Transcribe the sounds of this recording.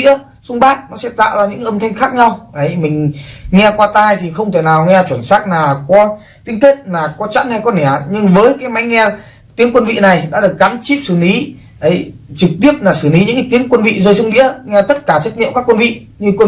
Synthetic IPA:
ḭ˧˥ə | sʊ˧ŋ͡mɓaː˦˥t̚nɔ˨˦sɛ̰˧˥t̪a̰ː˧˨wzaː˧ɲɨ̰˧˥˧ʔə˧mt̪ʰa˧jŋ̟xaː˦˥k̚ɲa˧wʔə˨˦jmï˨˩ŋ̟ŋɛ˧kwaː˧t̪aː˧jt̪ʰi˨˩xə˧wŋ͡mt̪ʰe˧˨˩naː˨˩wŋɛ˧t͡ɕwə˧˩nsaː˦˥k̚naː˨˩kɔ˨˦ | t̪ï˨˦ŋt̪i˦˥t̚naː˨˩kɔ˨˦t͡ɕa̰˧˥nha˧jkɔ˨˦nɛ˧˩ɲɨ˧ŋvəː˨˦jkaː˨˦jma˨˦jŋɛ˧ | t̪i˨˦əŋkwə˧nvḭ˧˨na˨˩jɗa̰ː˧˥ɗɨ˨˩ək̚ɣa˨˦nt͡ɕi˦˥p̚sɨ˧˩li˨˦ | ʔə˨˦jt͡ɕɨ˨˩k̚t̪i˦˥əp̚laː˨˩sɨː˧˩li˨˦ɲɨ̰˧˥ŋka˨˦t̪i˨˦əŋkwə˧nvḭ˧˨zəː˧jsʊ˧wŋ͡mɗḭ˧˥əŋɛ˧t̪ə˦˥t̚kaː˧˩t͡ɕə˦˥t̚ɲḭ˧˨əŋ͡mkaː˦˥kːwə˧nvḭ˧˨ | ɲɨ˧kwə˧

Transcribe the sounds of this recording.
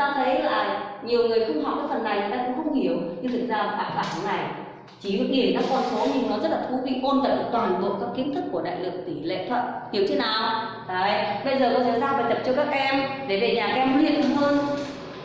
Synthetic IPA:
t̪aː˧t̪ʰə˨˦jlaː˨˩ɲi˨˩əwŋɨ˨˩əjxʊ˧wŋ͡mha˨˩w̚kaː˨˦jfə˨˩nːa˨˩jŋɨ˨˩˨jt̪aː˧kʊ̰˧˥ŋ͡mxə˧wŋ͡mhi˧˩əwɲɨ˧zʰɨ̰˨˩k̚zaː˧˨˩fa̰ː˧˨˩faː˧˩n̰˨˩na˨˩j | t͡ɕi˧˩ɨ˨˦ŋi˨˩nta˧mkɔ˧nso˨˦ɲɨ˧ŋnɔ˨˦zə˦˥t̚laː˨˩t̪ʰu˨˦vi˧ʔo˧nva̰ː˧˨˩jt̪waː˨˩nt̪w̰ə̰˧˨nkaː˦˥kːi˨˦ənt̪ʰɨ˦˥k̚ːu˧˩əɗa̰ː˧˨jlɨ˨˩ək̚t̪i˧˩lḛ˧˨t̪ʰwə̰˧˨n̚hi˨˩əwt̪ʰe˨˦naː˨˩w | ta̰ː˧˩˨ɓə˧jzəː˨˩kɔ˧˩tʰe˧˩saː˧vaː˨˩jt̪ə˨˩p̚t͡ɕɔ˧kaː˦˥k̚ʔɛ˧mɗe˧˩ve˨˩ɲaː˨˩ka˧ɛ˧m˨˧˦i˧ət̪ʰɨ˨˧˩ŋ͡mhɦəː˧n

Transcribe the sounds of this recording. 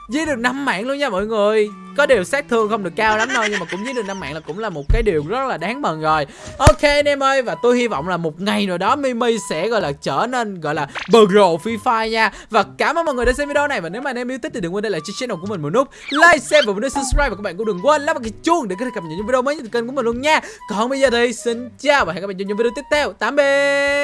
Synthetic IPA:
zi˧˥ɗɨ˨˩ək̚na˧mːa̰ː˧˨ŋlu˧ənɲaː˧mɔ̰ː˧˨jŋɨ˨˩əj | kɔ˨˦ɗi˨˩əwsaː˦˥k̚t̪ʰɨ˨˩əŋxə˧wŋ͡mɗɨ˨˩əkːaː˧wla˨˦mno˧jɲɨ˧maː˨˩kʊ̰˧˥ŋ͡mzi˧˦˥nɨ˨˩k̚na˧mːa̰ː˧˨ŋlaː˨˩kʊ̰˧˥ŋ͡mlaː˨˩mo˨˩t̚kaː˨˦jɗi˨˩əwzə˦˥t̚laː˨˩ɗaː˨˦ŋmə˨˩nzo˨˩j | ʔo˧ke˧nɛ˧mʔəː˧jvaː˨˩t̪u˧jhi˧vɔ̰˧˨wŋ͡mlaː˨˩mo˨˩t̚ŋa˨˩jno˨˩jɗɔ˨˦mi˧mi˧jsɛ̰˧˥ɣɔ̰˧˨jlaː˨˩t͡ɕəː˧˩ne˧nɣɔ̰˧˨jlaː˨˩ɓəː˨˩zo˨˩fi˧faː˧jɲaː˧ | vaː˨˩kaː˧˩maː˧˦nm˨nŋɨ˨˩ɗaː˧˦sɛ˧mvi˧ɗo˧na˨˩jvaː˨˩ne˨˦wmaː˨˧nɛ˧mʔi˧t̪i˦˥t̚ɗ̪kwɗə˧laː˨˩t͡ɕi˧˥sɛ˧˦˥na˨˩kəï˨˩ŋmo˨˩t̚lʊ˦˥k͡p̚laː˧jsɛ˧mvaː˨˩˨nː˧˦sɨ˧p̚skɹɾaː˧p̚aː˨kːaː˦˥ɓaː˧˨˧kəŋkə˧nla˦˥ma˨˩kːt͡ɕu˧əŋɗe˧˩kːt̪ʰːkə˨˩mɲə̰˧˨ɲu˧˦vi˧o˧məː˨˦ɲə˧˦t̪ʰːkkmi˨˩lə˧nɲaː˧kɔ˨˩nɓə˧jzəː˨˩t̪ʰə˨˦si˧ŋt͡ɕaː˧˩wa˨˩hkːaː˦˥ɓ̰a̰ː˧˩˨vi˧o˧t̪i˦˥p̚t̪ʰɛ˧wt̪aː˨˦mɓe˧

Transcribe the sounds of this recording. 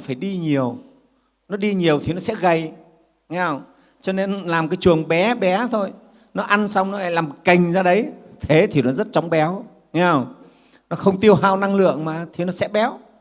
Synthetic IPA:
faː˧˩jɗi˧ɲi˨˩əw | nɔ˨˦ɗi˧ɲi˨˩əwt̪ʰi˨˩nɔ˨˦sɛ̰˧˥ɣə˨˩j | ɲa˧˩w | t͡ɕɔ˧ne˧nlaː˨˩mkaː˨˦jt͡ɕɨ˨˩əŋɓɛ˨˦ɓɛ˨˦t̪ʰo˧j | nɔ˨˦ʔa˧nsa˧wŋ͡mnɔ˨˦ʔa̰˧˩laː˨˩mki˨˩ŋ̟zaː˧ɗə˨˦jt̪ʰe˨˦t̪ʰi˨˩nɔ˨˦zə˦˥t̚t͡ɕɔ˨˦wŋ͡mɓɛ˨˦w | a˧˩w | nɔ˨˦xə˧wŋ͡mt̪i˧əwɦaː˧wna˧ŋlɨ̰˧˨əŋmaː˨˩t̪ʰi˨˩nɔ˨˦sɛ̰˧˥ɓɛ˨˦w

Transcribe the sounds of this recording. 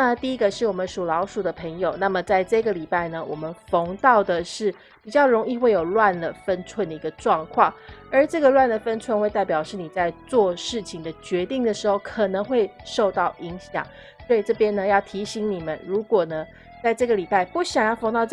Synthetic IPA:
na˥˩t̪i˥˩i˦˥ɡə˧ʂɻ̩˥˩wɔ˨˩mə˦nʂu˨˩lɑ˧˥ʊʂu˨˩d̪ə˦pʰə˧˥ŋjo˨˩ʊna˥˩mə˩t͡sa˥˧ɪʈ͡ʂɤ˥˩ɡə˩li˨˩pa˥˩ɪnə˩wɔ˨˩mə˦nfo˧˥ŋt̪ɑ˥˩ʊd̪ə˩ʂɻ̩˥˩ | pi˨˩t͡ɕjɑ˥˩ʊɻo˧˥ŋi˥˧xwe˥˩ɪjo˨˩ʊlwa˥˩nlə˩fə˥nt͡sʰwə˥˩nd̪ə˩i˧˥ɡə˧ʈ͡ʂwɑ˥˧ŋkʰwɑ˥˩ŋə˞˧˥ʈ͡ʂɤ˥˩ɡə˨lwa˥˩nd̪ə˩fə˥nʈ͡ʂʰwə˥˧nxwe˧ɪt̪a˥˩ɪpjɑ˨˩ʊʂɻ̩˥˩ni˨˩t͡sa˥˧ɪt͡swɔ˥˧ʂɻ̩˥˩t͡ɕʰi˨˩ŋd̪ə˩t͡ɕɥɛ˧˥t̪i˥˩ŋd̪ə˩ʂɻ̩˧˥xo˥˩ʊkʰə˨˩nɤ˧˦˥ŋxwe˥˧ɪʂo˥˧ʊt̪ɑ˥˩ʊʔi˧˥ŋɕjɑ̰˨˩˦ŋ | swɔ˧˥i˨˩ʈ͡ʂɤ˥˩pjɛ˥nə˧jɑ˥˩ʊt̪ʰi˧˥ɕi˧˥ŋni˨˩mə˦nɻu˧˥kwɔ˨˩nə˦ | t͡sa˥˧ɪʈ͡ʂɤ˥˩ɡə˩li˨˩pa˥˧ɪpu˥˩ɕjɑ˨˩ŋjʊfŋt̪ɑ˥˧ʊ

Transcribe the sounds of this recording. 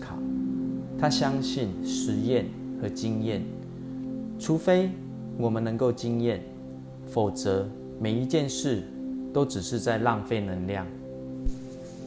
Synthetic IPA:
kʰɑ˨˦ʊt̪ʰa˦ɕjɑ˦ŋɕi˥˨nʂɻ̩˧˦jɛ˥˨nxɤ˨˦t͡ɕi˦ŋjɛ˥˨n | ʈ͡ʂʰu˨˥fe˥ɪ | wɔ˨˩mə˦nə˧˦ŋko˥˨ʊt͡ɕi˦ŋjɛ˥˨n | fo˨˩ʊt͡sɤ˨˧˦ | me˨˩ɪi˧˦t͡ɕjɛ˥˨nʂɻ̩˥˨ | t̪o˥˦ʊʈ͡ʂɻ̩˨˩ʂɻ̩˥˧t͡sa˥˧ɪlɑ˥˨ŋfe˥˨ɪnə˨˧˥nljɑ˥˨˩ŋ

